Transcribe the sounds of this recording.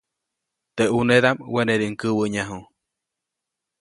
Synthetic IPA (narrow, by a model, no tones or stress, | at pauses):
t̪eʔuneðamweneɾiŋkɨwəɲaɦũ